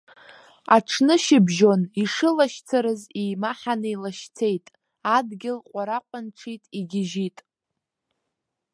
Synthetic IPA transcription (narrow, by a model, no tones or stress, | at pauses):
aʈ͡ʂʰnɨʃɪbʒo̞niʂɨlaʃt͡sʰaɾɨzijmaħanɨilaʃt͡sʰe̞jtʼ | adɡʲɪlqʷʼaɾaqʷʼanʈ͡ʂʰitʼiɡʲɪʒitʼ